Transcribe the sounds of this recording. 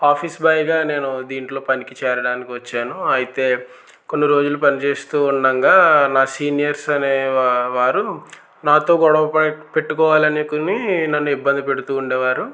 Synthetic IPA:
aːpʰiːsbɐjɡaːne̞ːnud̪iːɳʈlo̞ːpɐnikit͡ʃɛːɾɐɽaːnikiʋɐt͡ʃːaːnuɐjit̪e̞ː | ko̞nːiɾo̞ːd͡ʒulupɐnit͡ʃe̞ːst̪uːɳɖɐŋɡaːnaːsiːnijɐɾsɐne̞ːʋaːɾu | naːt̪o̞ːɡɔɽɐʋɐpɐpe̞ʈːukɔːʋaːlɐnikuninɐnːuibːɐnd̪ʱipe̞ɽut̪uːɳɖeːʋaːɾu

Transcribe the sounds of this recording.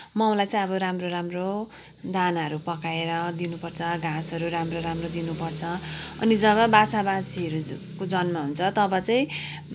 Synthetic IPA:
maw̃lajt͡saĩʌbʌɾamroɾamro | d̪ʱanaɦʌɾupʌkaeɾʌd̪inupʌrt͡sʰʌɡʱasɦʌɾuɾamroɾamrod̪inupʌrt͡sʰʌʌ̰nid͡zʌβʌbat͡sabasiʌɾu | kod͡zʌnmaɦunt͡sʰʌt̪ʌbʌt͡saĩ

